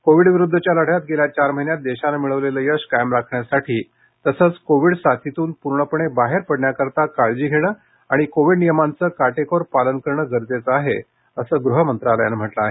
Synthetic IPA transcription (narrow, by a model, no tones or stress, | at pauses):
koʋiɽʋiɾud̪ʱːət͡ɕjaləɽ̤jat̪̚ɡeljat͡ɕaɾməɦinjat̪̚d̪eɕanamiɭəʋleləjəɕkajəmɾakʰɳjasaʈʰiː | t̪əsət͡skoʋiɽsat̪ʰit̪uːnpuɾɳəpəɳ̃ebaɦeɾpəɽɳjakəɾt̪akaɭd͡ʑiːɡʱeɽ̃əː | aɽ̃ikoʋiɽnijəmant͡səːkaʈekoɾpalənkəɾɳəɡəɾt̪et͡səaɦe | əsəːɡɾuɦəmənt̪ɾaləja̰nm̤əʈləaɦe